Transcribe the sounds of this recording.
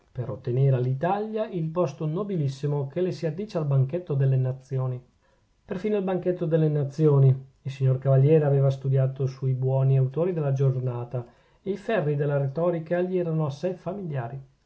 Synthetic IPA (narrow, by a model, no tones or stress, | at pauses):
peɾot̪ːeneːɾealːit̪aljailpɔst̪onobilisːimokelesiad̪ːiːt͡ʃealbaŋket̪ːod̪elːenat̪sːjoːni | perfiːnoalbaŋket̪ːod̪elːenat̪sːjoːniilsiɲːorkavaʎːjɛːɾeaveːvast̪ud̪jaːt̪osuibwɔːniawt̪oːɾid̪elːad͡ʒornaːt̪a | eifɛrːid̪elːaɾet̪ɔːɾikaʎiɛːɾanoasːɛjfamiljaːɾi